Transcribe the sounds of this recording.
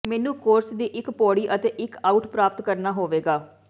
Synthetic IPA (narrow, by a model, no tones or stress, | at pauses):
mɛːnũːkoːɾsd̪iːʔɪkpɔːɽiːʔət̪eːʔɪkaːuʈpɾaːpət̪kəɾnaːɦoːʋeːɡaː